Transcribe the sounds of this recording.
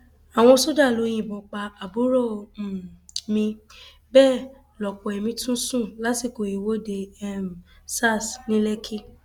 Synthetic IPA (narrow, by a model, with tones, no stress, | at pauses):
a˨w̃ɔ̃˧so˦da˦˨lo˨˧˦j̃ĩ˦˨bɔ̃˨˧k͡pa˧a˨bu˨˦ɾɔ˦˨ | mĩ˧ | bɛː˦˨ | lɔ˨k͡pɔ˨ɛ˨mĩ˧tũ˦sũ˦˨la˨˦ti˦˨ko˨i˨wo˦de˧ɛ˦m˨sa˦˨snĩ˦lɛ˦kʰi˦